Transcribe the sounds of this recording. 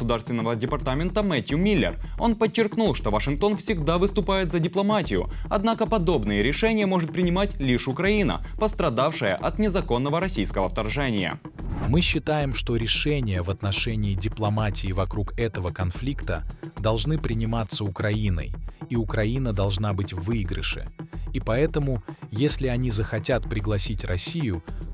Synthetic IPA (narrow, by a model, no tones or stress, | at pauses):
sʊd̪arst̪vʲɪnːəvədʲɪpɐrt̪amʲɪnt̪əmɛtʲʊmʲilʲːɪ̰ro̞̰npət͡ɕːɪrknulˠʂt̪o̞vɐʂɨnk̚t̪o̞nfsʲɪɡd̪avɨst̪ʊpajɪt̪zədʲɪplˠɐmatʲɪjʊ̰ɐd̪nakəpɐd̪o̞bnɨjəɾʲɪʂɛnʲɪjəmo̞ʐɨt̪̚pɾʲɪnʲɪmatʲlʲiʂʊkɾɐinə̰ | pəst̪ɾɐd̪afʂɨjə̰ʔɐt̪nʲɪzɐko̞nːəvəɾɐsʲijskəvəft̪ɐrʐɛnʲɪ̰jə̰ | mɨɕːɪt̪ajɪmʂt̪oɾʲɪʂɛnʲɪjəvɐt̪nɐʂɛnʲɪːdʲɪplˠɐmatʲɪːvɐkɾukɛt̪əvəkɐnflʲikt̪ə̰d̪ɐlˠʐnɨpɾʲɪnʲɪmat̪sːəʊkɾɐinə̰jiʊkɾɐinəd̪ɐlˠʐnabɨtʲvɨɡɾə̰ʂɨ̰ipɐɛt̪əmʊjesʲlʲɪɐnʲizəxɐtʲat̪pɾʲɪɡlˠɐsʲitʲrɐsʲijʊ